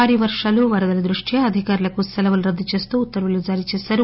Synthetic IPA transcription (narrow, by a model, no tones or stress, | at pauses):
aːɾiʋɐɾʂaːluʋɐɾɐd̪ɐlɐd̪ɾuʂʈjɐɐd̪ʱikaːɾulɐkust̪ɐlɐʋɐluɾɐd̪ːut͡ʃe̞ːst̪uːt̪ːɐɾʋulud͡ʒaːɾit͡ʃeːsaːɾu